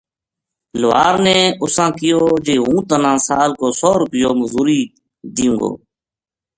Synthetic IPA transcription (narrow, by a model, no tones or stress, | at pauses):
lʊʋaːɾneːʊsãːkɪjoːd͡ʒeːɦũːt̪ənãːsaːlkoːsoːɾʊpɪjoːməzuːɾiː | d̪ɪjũːɡo̰ː